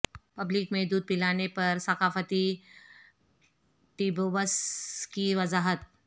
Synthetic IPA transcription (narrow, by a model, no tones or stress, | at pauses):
pɐblikmẽd̪uːd̪̚pɪlaːnepɐɾsɐqaːfət̪i | ʈiːboʋəskiʋɐzaːɦət̪̚